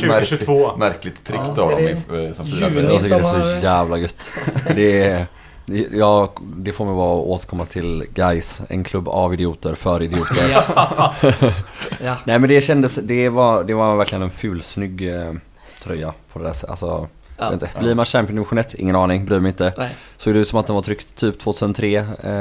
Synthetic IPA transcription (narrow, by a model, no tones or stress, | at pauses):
ɾmæɾklɪt̪ʰːɾɪkːt̪ʰɔɪsɔmɛaɪkːɛsɔjæːvlaɡɵt̪ːd̪ɛ | jɑːɡd̪ɛfoːɾmɛjvɑːɔʔoːt̪əɾkʰɔmːat̪ʰɪlɡajsɛ̰nkʰlɵbːa̰vɪd̪ɪuːt̪əɾfœɾɪd̪ɪuːt̪əɾ | nɛːmɛnd̪ɛɕɛnd̪əsd̪ɛvad̪ɛvaɾvæɾklɪɡənɛnfʉ̟ːlsnʏɡː | t̪ʰɾœjːapʰɔd̪ɛd̪æːsa̰lsɔ̰ | t̪t̪əbbliːɾmanɕæmpɪʊnmɧʊnɛt̪ːɪ̰ŋːənɑːnɪŋbɾyːɾmɛɪnt̪əsoːɡd̪ɛʉːt̪sɔmat̪̚ɛnvat̪ʰɾʏkt̪t̪ʰːyːpt̪ʰvoːt̪ʰʉsənt̪ʰɾeː